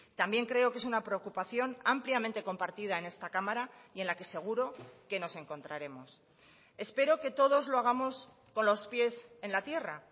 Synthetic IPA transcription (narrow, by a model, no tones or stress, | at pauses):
t̪ambje̞ŋkɾe̞o̞ke̞sunapɾe̞o̞kupaθjo̞nampljamẽnt̪e̞ko̞mpaɾt̪iðaene̞st̪akamaɾaie̞nlake̞se̞ɣ̞uɾo̞ke̞no̞se̞ŋko̞nt̪ɾaɾe̞mo̞s | e̞spe̞ɾo̞ke̞t̪o̞ðo̞zlo̞aɣ̞amo̞s | ko̞nlo̞spje̞se̞nlat̪je̞ra